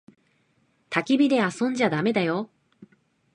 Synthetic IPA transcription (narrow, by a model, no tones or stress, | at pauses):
t̪akʲibʲid̪e̞asõ̞ɲ̟d͡ʑad̪ame̞d̪ajo̞